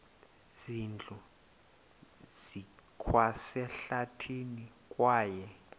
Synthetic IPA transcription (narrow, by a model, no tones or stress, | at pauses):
zind͡ɮʱʼu | z̥ikʰwasɛɬatʰini | kʼwaːjɛ